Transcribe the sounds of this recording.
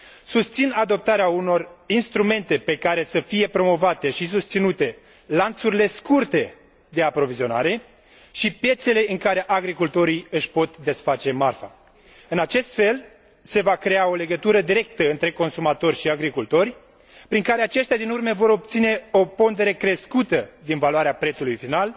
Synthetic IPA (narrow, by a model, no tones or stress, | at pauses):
sust̪sinad̪o̞p̚t̪aɾeauno̞rinst̪ɾume̞nt̪e̞pe̞kaɾe̞səfije̞pɾo̞mo̞vat̪e̞ʃis̬ust̪sinut̪e̞ | lant̪suɾile̞skurt̪e̞ | d̪e̞apɾo̞vizio̞na̰ɾe̞ | ʃipje̞t̪se̞le̞ʔɨŋkaɾe̞ʔaɡɾikult̪o̞ɾiɨʃpo̞t̪d̪e̞sfat͡ʃe̞marfa̰ | ɨnat͡ʃe̞st̪fe̞l | se̞vakɾe̞ao̞le̞ɡət̪uɾəd̪iɾe̞kt̪əɨnt̪ɾe̞ko̞nsumat̪o̞rʲʃiaɡɾikult̪o̞rʲ | pɾiŋkaɾe̞at͡ʃe̞ʃt̪ʲjad̪inurmevo̞ɾo̞p̚t̪sine̞o̞po̞nd̪e̞ɾe̞kɾe̞skut̪əd̪invaluaɾeapɾet̪sulujfinal